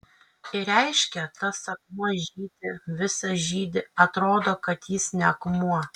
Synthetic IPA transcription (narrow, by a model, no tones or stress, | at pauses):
ɪɾʲɛɪʃʲkʲɛt̪ɐsɐkmɐʒʲiːd̪ʲɪʋʲɪsɐʒʲiːd̪ʲɪɐt̪ɾoːd̪oːkɐt̪jɪsnʲɛɐkmuɔ